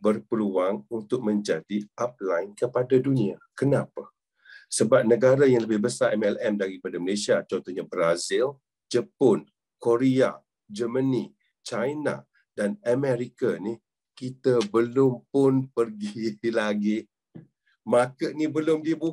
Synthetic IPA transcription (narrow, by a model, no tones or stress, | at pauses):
bərpəluaŋunt̪ʊk̚mə̃ɲd͡ʒadiap̚lajnkəpadaduniakənãpa | səbap̚nəɡaɾajaŋləbɪhbəsaʔɛmɛlɛmdaɾipadaməlesiat͡ʃɔnt̪ɔɲabɾazɪl | d͡ʒəpɔn | koɾia̰ | d͡ʒəməni | t͡ʃajna̰ | danamɛɾikani | kit̪əbəlʊmpʊnpərɡilaɡi | makənibəlʊmdibu